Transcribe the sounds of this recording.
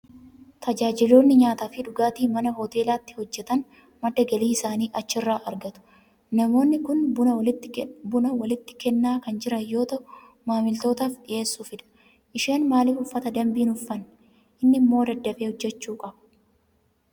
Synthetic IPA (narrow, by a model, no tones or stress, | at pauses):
t̪ʰɐd͡ʒaːd͡ʒɪloːnːɪɲaːt̪aːfɪᶑʊɡaːt̪iːmɐnɐhɔt̪e̞ːlaːt̪ːɪ̥hɔd͡ʒːɛt̪ɐn | mɐd̪ɐɡɐliːɪsaːniːʔɐt͡ʃːɪrːaːʔɐɾɡɐt̪ʊ̥ | nɐmo̞ːnːɪkʊnbʊɪt̪ːɪbʊnɐwɐlɪt̪ːɪ̥kɛnːaːkɐnd͡ʒɪɾɐjo̞ːt̪ɐʔʊ | maːmɪlt̪o̞ːt̪aːfɗɪʔe̞ːsːuːfɪᶑɐ̥ | ʔɪʃeːnmaːlɪfʊfːɐt̪ɐd̪ɐmbiːnʊfːɐnː | ʔɪnːɪmːo̞ːd̪ɐd̪ːɐbeːhɔd͡ʒːɛt͡ʃːuːkʼɐb̥ɐ̥